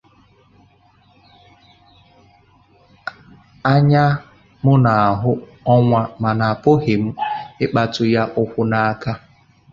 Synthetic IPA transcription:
a˦ɲa˦ | mʊ˦na˨a˨ɦʊ˦ | ɔ˦ŋʷa˦ma˨na˨a˨pʊ˦ɦɪ˨m̩˦ɪ˦k͡pa˦tʊ˦ja˦ʔʊ˦kʷʊ˦na˨a˦ka˦

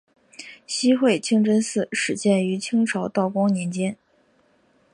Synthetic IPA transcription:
ɕi˥xwe˥˩ɪt͡ɕʰi˥ŋʈ͡ʂə˥nsɹ̩˥˩ʂɻ̩˨˧˥ɕjɛ˥˩ny˧˥t͡ɕʰi˥ŋʈ͡ʂʰɑ˧˥ʊt̪ɑ˥˩ʊkwɑ˥ŋnjɛ˧˥nt͡ɕjɛ˥n

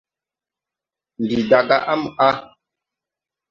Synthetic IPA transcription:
n˨di˨da˨ɡa˦ʔa˦ma˦

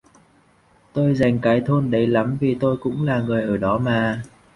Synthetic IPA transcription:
t̪o˧jza˨˩jŋ̟kaː˨˦jt̪ʰo˧nɗə˨˦jla˨˦mvi˨˩t̪o˧jkʊ̰˧˥ŋ͡mlaː˨˩ŋɨ˨˩əjʔəː˧˩ɗɔ˨˦maː˨˩

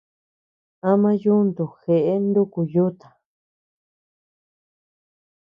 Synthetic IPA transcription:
a˦mã˦ju˦nd̪u˨xe˨ʔe˦nd̪u˦ku˧ju˦t̪ḁ̃˨

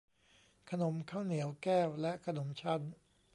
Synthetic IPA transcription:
kʰa˧no˩˦mkʰaː˥˩wni˩˦əwkɛː˥˩wlɛ˦˥ʔkʰa˧no˩˦mt͡ɕʰa˦˥˩n

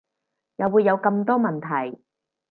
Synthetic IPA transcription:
jɐː˨wuː˨˧jːɐ˨˧wkɐ˧mt̪ɔː˥mɐ˨˩nt̪ʰɐ˨˩j

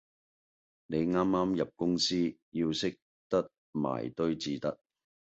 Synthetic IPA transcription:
ne˨˧jŋaː˥mːaː˥mjɐ˨p̚kʊ˥ŋsiː˥ji˧wsɪ˥k̚ | t̪ɐ˥t̚ | ma̰ː˨jt̪ɵ˥ɥt͡siː˨t̪ɐ˥t̚

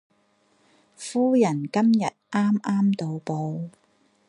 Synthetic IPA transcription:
fuː˥jɐ˨˩nkɐ˥mjɐ˨t̚ʔaː˥mʔaː˥mt̪o˨˧wpo˧w

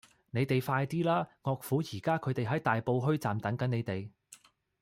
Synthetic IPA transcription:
ne˨˧jt̪e˨jfaː˧jt̪iː˥laː˥ŋɔː˧k̚fuː˨˥jiː˨˩kaː˥kʰɵ˨˧ɥt̪e˨jɦɐ˨˥jt̪aː˨jpo˧wɦɵ˥ɥt͡saː˨mt̪ɐ˨˥ŋkɐ˨˥ne˨˧jt̪e˨j

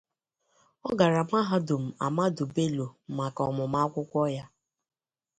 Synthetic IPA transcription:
ɔ˦ɡa˨ɾa˨ma˦ɦa˦dʊ˨m̩˨a̰˨ma˦dʊ˨be˦lo˨˦ma˨kɔ̰˨mʊ˨ma˦kʷʊ˦kʷɔ˦ja˦

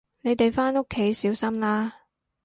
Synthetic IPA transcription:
ne˨˧jt̪e˨jfaː˥nʊ˥kʰːe˨˥jsiː˨˥wsɐ˥mlaː˥

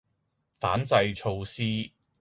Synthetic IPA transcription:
fa̰ː˨˥nt͡sɐ˧jt͡ʃʰo˧wsiː˥

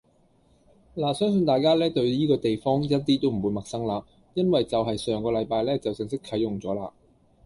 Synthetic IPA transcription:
laː˨˩sœː˥ŋs̬ɵ˧nt̪aː˨jkaː˥lɛː˥t̪ɵ˧ɥliː˥kɔː˧t̪e˨jfɔː˥ŋjɐ˥t̚t̪iː˥t̪o˥wm̩˨˩wuː˨˧jmɐ˨k̚sɐ˥ŋlaː˧ | jɐ˥nwɐ˨jt͡sɐ˨wɦɐ˨jsœː˨˧ŋkɔː˧lɐ˨˧jpaː˧jlɛː˥t͡sɐ˨wsɪ˨ŋsɪ˥kʰːɐ˨˥jːʊ˨˩ŋt͡sɔː˨˥laː˧

